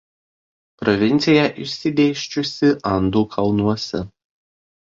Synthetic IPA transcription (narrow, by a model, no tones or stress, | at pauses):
pɾɔʋʲɪnʲt̪sʲɪjɛʔɪʃʲsʲɪd̪ʲeːʃʲt͡ʃʲʊsʲɪʔɐnd̪uːkʰɐlˠnuɔsʲɛ